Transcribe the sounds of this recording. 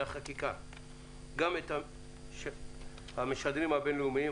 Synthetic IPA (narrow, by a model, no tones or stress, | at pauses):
aχakika̰ | ɡametha | ʃ | hameʃad̪ʁimhabenleumii